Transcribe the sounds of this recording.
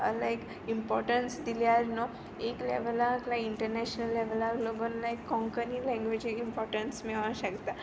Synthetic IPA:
ə̰laek | impɔɾʈənsd̪iljaɾno | eklḛʋəlaːklaiɳʈəɾnɛʃnəlːɛʋəlaɾloɡənlaekːɔ̃ŋkənilɛ̃ŋɡʋed͡ʑiimpɔɾʈənsmɛʋãʃəkt̪a

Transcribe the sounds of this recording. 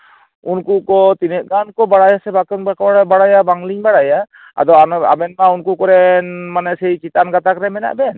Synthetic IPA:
unkukɔt̪inɛʔɡankɔbaɽajasɛbakɔnbakɔɽabaɽajabaŋliŋbaɽaja | a̰d̪ɔana̰bɛnmaunkukɔɾɛnmanɛsɛjt͡ʃit̪anɡat̪akɾɛmɛna̰ʔbɛn

